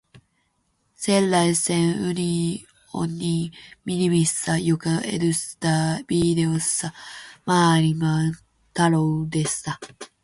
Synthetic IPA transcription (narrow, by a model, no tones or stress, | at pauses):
sẽ̞nːaisẽɰɯ̟nʲi | o̰nʲiminʲimʲissajokɯḛɾɯst̪abʲid̪eosɨ̥samaːɾʲima | t̪aɾod̪esɨ̥a